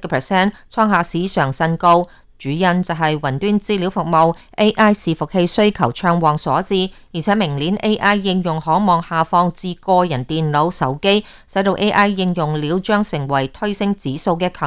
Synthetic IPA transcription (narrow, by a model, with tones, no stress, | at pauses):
kːpʰɛ˨˩sɛː˥nt͡sʰɔː˥ŋɦaː˨˧siː˨˥sœː˨˩ŋsɐ˧nko˧w | t͡ʃyː˨˥jɐ˧nt͡sɐ˨wɦɐ˨jwɐ˨˩nt̪yː˥nt͡siː˧˥liː˨˥wfʊ˨k̚mo˨wʔe˥ʔaː˥jsiː˨˩fʊ˨k̚he˧jsɵ˥ɥkʰɐ˨˩wt͡ʃʰœː˧ŋwɔː˨ŋsɔː˨˥t͡siː˧jiː˨˩t͡sʰɛː˨˥mɪ˨˩ŋliː˨˥nʔe˥jʔaː˥jːɪ˧ŋjʊ˨˩ŋhɔː˨˥mɔː˨ŋhaː˨fɔː˧ŋt͡siː˧kɔː˧jɐ˨˩nt̪iː˨nlo˨˥wsɐ˨˥wke˥j | sɐ˨˥jt̪o˧wʔe˥jʔaː˥jːɪ˧ŋjʊ˨ŋliː˨˧˥wt͡ʃœː˥ŋsɪ˨˩ŋwɐ˨˩jt̪ʰɵ˥ɥsɪ˥ŋt͡siː˨˥so˧wkɛː˧kʰœ˨˩